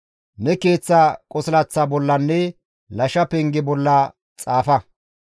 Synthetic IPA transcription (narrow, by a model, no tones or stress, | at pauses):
nɛkeːt͡sːaːkʼɔsɪlɐt͡sːabɔlːɐnːɛ | lɐʃɐpɛŋɡɪbɔlːɐ | t͡sʼaːfɐ